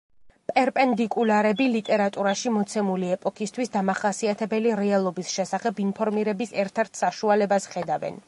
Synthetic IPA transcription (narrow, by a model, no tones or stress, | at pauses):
pʼɛɾpʼɛnd̪ikʼulaɾɛbilit̪ʼɛɾat̪ʼuɾaʃimɔt̪sʰɛmuliɛpʼɔkʰist̪ʰwisd̪amaχasiat̪ʰɛbɛliɾɛalˠɔbisʃɛsaχɛbinpʰɔɾmiɾɛbisɛɾt̪ʰɛɾt̪ʰsaʃualɛbasχɛd̪avɛ̰n